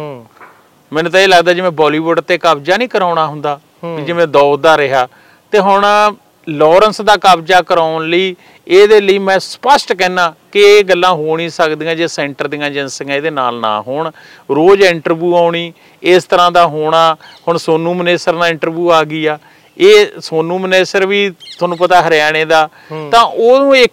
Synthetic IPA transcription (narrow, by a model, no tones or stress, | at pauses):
mɛ̃ːnũt̪ãeːləɡd̪aːd͡ʒɪʋɛ̃ːbɔːliːʋʊɖt̪eːkaːbd͡ʒaːnĩːkəɾaːʊɳ̃aːɦʊnd̪aː | kid͡ʒɪʋẽːd̪ɔːd̪aːɾɪɦaː | t̪eːɦʊɳ | lɔːɾənsd̪aːkaːbd͡ʒaːkəɾaːʊnləiː | eːd̪eːləiːmɛ̃ːspəsʈkɛːnãːkɪeːɡəlːãːɦoːɽ̃ĩːsəkd̪iːãːd͡ʒeːsɛ̃ːɳʈəɾd̪ɪːãːd͡ʒɪnsɪãeːd̪eːna̰ːlnã̰ːɦoːɳ | ɾoːd͡ʒɪɳʈəɾʋjuːaːʊɳiː | ɪst̪əɾãːd̪aːɦoːɳaːhʊɳsoːnũːməneːsəɾnãːɪɳʈəɾʋjuːaːɡiːaː | eːsoːnũːməneːsəɾʋiːt̪ʰʊaːnũːpət̪aːɦəɾaːɽ̃eːd̪aː | t̪ãːʔoːnũːɪk